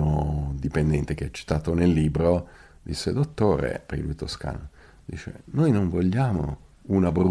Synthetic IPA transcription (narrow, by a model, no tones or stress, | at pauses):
od̪ipend̪ɛnt̪ek̟eɛt͡ʃːi̥t̪aːt̪onelːiːbɾo | d̪isːed̪ot̪ːoːɾḛpekilujt̪oska̰ːno | d̪ḭːt͡ʃḛnojnoɱvoʎːaːmo̰unabɾu